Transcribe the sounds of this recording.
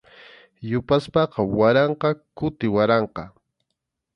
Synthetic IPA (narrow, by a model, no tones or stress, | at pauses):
jʊpaspɑqɑwaɾɑɴqɑkʊt̪ɪwaɾɑɴqɑ̰